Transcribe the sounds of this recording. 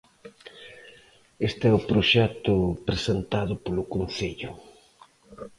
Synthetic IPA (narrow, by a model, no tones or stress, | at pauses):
est̪eɛʊpɾoʃɛt̪ʊpɾesent̪aðʊpolʊkon̟θeʎʊ